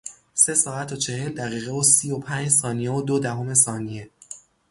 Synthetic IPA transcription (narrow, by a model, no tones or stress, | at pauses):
se̞sɒːæt̪ʰot͡ʃʰe̞he̞ld̪æɣiːɣevosiːopʰænd͡ʒsɒːnijeod̪od̪æɦo̞me̞sɒːnije̞